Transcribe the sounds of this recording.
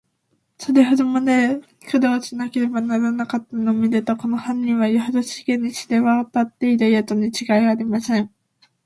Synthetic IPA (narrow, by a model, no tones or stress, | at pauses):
saɾe̞ɦod̪o̞mad̪e | kʰɯ̟d̪oːɕinake̞ɾe̞banaɾanakat̪ːanomʲid̪et̪oko̞nohãɲʲːĩβajoɦod̪oɕi̥kẽɲːiɕi̥d̪eβaot̪at̪ːe̞id̪aiat̪oɲ̟it͡ɕiɡaiaːɾʲimasẽ̞ɴ